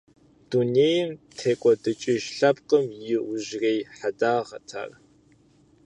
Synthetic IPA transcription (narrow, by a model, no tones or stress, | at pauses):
d̥uneːjɪmtʰeːkʷʼɔdɨt͡ʃʼɪʒɬɐpqəmjɪʔʊʒreːjħadaːʁɐ̰tʰa̰ːr